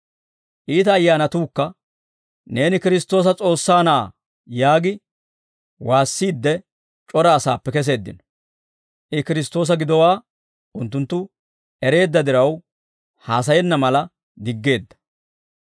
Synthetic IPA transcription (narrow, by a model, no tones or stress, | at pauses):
ʔiːt̪ɐːjːaːnɐt̪uːkːɐ | ne̞ːnɪkɪɾɪst̪o̞ːs̬ɐt͡sʼo̞ːsːaːnaː | jaːɡɪ | waːsːiːd̪ːɛ | t͡ʃʼɔɾɐːsaːpːɛkɛs̬e̞ːd̪ːɪ̰nɔ̥ | ʔɪkɪɾɪst̪o̞ːs̬ɐɡɪd̪ɔwaː | ʔʊnt̪ːʊnt̪ːʊ | ɛɾe̞ːd̪ːɐd̪ɪɾɐw | haːs̬ɐjɛnːɐmɐlɐ | d̪ɪɡːe̞ːd̪ːɐ̥